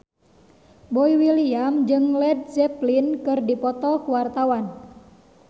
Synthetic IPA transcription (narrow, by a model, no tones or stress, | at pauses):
bɔiwiliamd͡ʒɨŋlɛd̚sɛplinkɨrdipɔt̪ɔkuwart̪awan